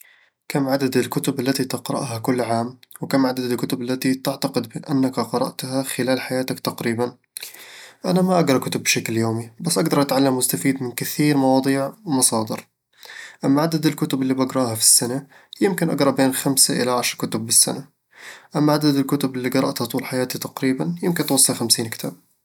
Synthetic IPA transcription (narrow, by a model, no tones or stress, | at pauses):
kamːʕad̪ad̪ɪlkʊt̪ʊbalːat̪it̪ɪqɾɑ̰ʔɦakʊlːʕaːmwɪkamːʕad̪ad̪ɪlkʊt̪ʊbalːat̪it̪ɪʕt̪aqɪd̪̚bɪʔanːakqɑɾˤɑ̰ʔt̪haxɪlaːlħajaːt̪akt̪ɑqɾiːban | ʔanamaʔaɡɾˤɑkʊt̪ʊbːʃakljoːmibasːʔaɡd̪ɑɾˤʔat̪ʕalːamːʊst̪afiːd̪mɪnkɪθiːɾmɑwɑːd̪ˤiːʕmɑsˤɑːd̪ɪ̰ɾ | ʔamːaʕad̪ad̪ɪlkʊt̪ʊbɪlːiːbɑɡɾˤɑːhafi̥sːana | jɪmkɪnʔa̰ɡɾˤɑʔbeːnxamsaʔɪ̰laʕaʃɾˤkʊt̪ʊbːɪsːa̰na | ʔamːaʕad̪ad̪ɪlkʊt̪ʊbɪlːiɡɑɾˤɑʔt̪hat̪ˤuːlħajaːt̪it̪ɑqɾiːbanjɪmkɪnt̪wɑsˤːɑlxamsiːnkɪ̥t̪ʰa̰ːb̥̚